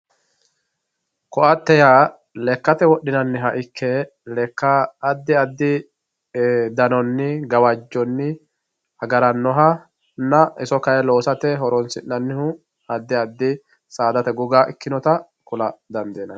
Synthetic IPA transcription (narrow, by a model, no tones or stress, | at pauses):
kɔʔɐt̪ːɛjaː | lɛkːɐt̪ɛwɔɗɪnɐnːɪɦɐʔɪkʰːɛ | lɛkːɐːd̪ːɪɐd̪ːɪ | d̪ɐnɔnːɪɡɐwɐd͡ʒːɔnːɪ | hɐɡɐɾɐnːɔɦɐ | nɐɪsɔkɐjɛlo̞ːsɐt̪ɛɦɔɾɔnsɪnːɐnːɪhʊ | ɐd̪ːɪɐd̪ːɪ | saːd̪ɐt̪ɛɡʊɡaːʔɪkːɪnɔt̪ɐ | kʊlɐd̪ɐnd̪eːnːɐ